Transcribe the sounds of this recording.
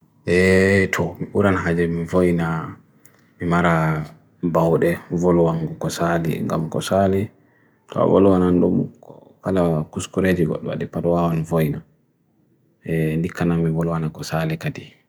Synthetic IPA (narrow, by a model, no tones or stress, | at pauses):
ʔɛtʰɔmiɓuɾanɦad͡ʒɛmivojna | mimaɾa | bawɗɛvolɔwaŋɡɔkɔsalḭŋɡa̰mkɔ̰sali | tʰɔ̰vo̰lɔwanandumkɔkalakuskuɾed͡ʒiɡɔ̰ɗːɔ̰wa̰ɗipadɔwawanvojna | ɛndikʰːanamːivolwanakɔsalikadi